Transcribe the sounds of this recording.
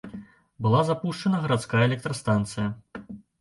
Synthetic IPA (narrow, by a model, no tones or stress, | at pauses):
bɨlˠazapuʂt͡ʂɐnɐɣɐɾat̪skajɐɛlʲɛk̚t̪ɾɐst̪ant̪sɨjɐ